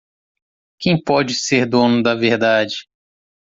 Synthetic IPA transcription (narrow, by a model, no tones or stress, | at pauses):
kẽj̃pɔd͡ʒɪseɾd̪õnʊd̪ɐveɾd̪ad͡ʒɪ